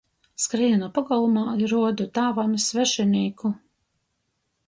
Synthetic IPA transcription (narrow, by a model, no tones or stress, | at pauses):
skɾiɛnapaɡalˠumaːɾuɔd̪ut̪aːvamisvɛʃɛnʲiːku